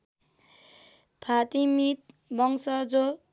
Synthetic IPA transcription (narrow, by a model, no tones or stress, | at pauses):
pʰat̪imit̪̚ | bʌŋsʌd͡zo